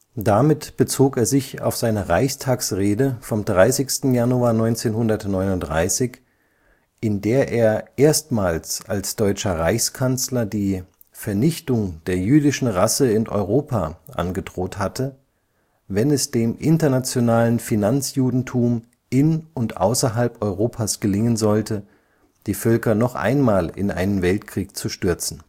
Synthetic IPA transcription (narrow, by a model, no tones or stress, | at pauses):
d̥amɪtb̥ət͡soːkeːɐzɪça̰ʊfz̥aɪnəʁaɪçstʰaːksʁeːdəfɔmdʁaɪsɪçstn̩januaːɐnɔʏnt͡seːnhʊndɐtnɔʏnʊntd̥ʁa̰ɪsɪç | ʔɪndeːɐʔeːɐʔeːɐstmaːlsalsd̥ɔʏt͡ʃɐʁaɪçskʰant͡slɐdiː | fɛɐnɪçtʊŋd̥eːɐjyːdɪʃn̩ʁasəɪnʔɔ̰ʏʁoːpʰa̰ʔa̰nɡədʁoːthatʰə | vɛnɛsd̥eːmʔɪntɐnat͡sjonaːlənfinant͡sjuːdn̩tʰuːm | ʔɪnʊntʔa̰ʊsɐɦalpɔʏʁoːpʰaːsɡ̥əlɪŋənzɔltʰə | d̥iːfœlkɐnɔχʔa̰ɪnmaːlɪ̰nʔa̰ɪnənvɛltkʁ̥iːk̚t͡suʃtʏɐt͡sn̩